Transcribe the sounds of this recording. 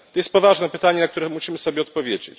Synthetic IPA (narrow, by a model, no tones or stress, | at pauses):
t̪ɔjɛst̪̚pɔvaʐnɛpɘt̪aɲɛnakt̪uɾɛmuɕimɘsɔbʲjɛɔt̪̚pɔvʲjed͡ʑḛt͡ɕ